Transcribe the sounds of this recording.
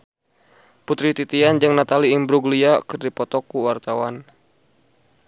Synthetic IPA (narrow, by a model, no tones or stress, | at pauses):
put̪ɾit̪it̪iand͡ʒɨŋnat̪aliːmbɾuɡliakɨrdipɔt̪ɔkuwart̪awan